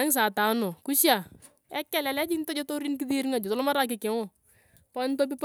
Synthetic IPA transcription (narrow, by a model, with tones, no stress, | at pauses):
ɛ˦ŋs̬a˨ta˨˦no˨ku˦ʃja˨ | ɛ˦kːɛ˦˨lɛ˨lɛ˦d͡ʒi˦ntɔ˦d͡ʒɔ˦to˦ɾi˦nki˦ði˦ɾŋa˨d͡ʒɔ˨tɔlɔ˦ma˦ɾa˦k̬ɪ˨kɛ˨ŋɔ˨ | pɔ˦nto˦p̬i˦p